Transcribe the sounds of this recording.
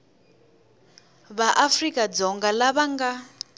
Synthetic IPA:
βaʔafrikʼad͡zɔŋɡalaβaŋɡa

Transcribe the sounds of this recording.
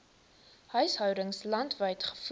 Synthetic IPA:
hœɥsɦœwdəŋslɐntvəjtχə̥f

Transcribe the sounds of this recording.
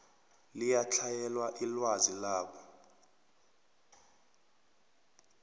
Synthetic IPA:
lijat͡ɬʰajɛlwaʔilwazilaːɓɔ

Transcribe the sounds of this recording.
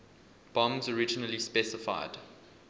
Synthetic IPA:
b̥ɔ̃mzɔɹɪd͡ʒənəlispɛsɪfa̰ɪd̥

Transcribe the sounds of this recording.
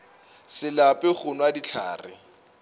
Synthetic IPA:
sɪlapʼɪk͡xʰʊnwadit͡ɬʰa̰ːrɪ̰

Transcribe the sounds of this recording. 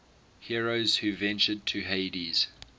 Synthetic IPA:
hiɹoʊz̥hʉvɛ̃nt͡ʃəd̚tʰəɦeɪdiz̥

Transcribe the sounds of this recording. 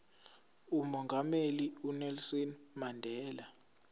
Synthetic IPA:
umɔŋɡʱameliunɛlsɔnmandʱɛːla

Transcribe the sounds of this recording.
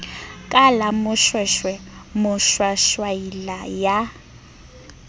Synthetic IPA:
kʼalamʊʃwɛʃwɛmʊʃwaʃwailaja

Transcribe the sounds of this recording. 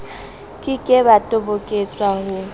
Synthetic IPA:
kʼɪkʼɪbatʼobokʼet͡sʼwahʊ

